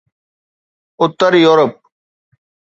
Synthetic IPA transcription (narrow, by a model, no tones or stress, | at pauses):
ʊt̪ːəɾijoːɾəp̚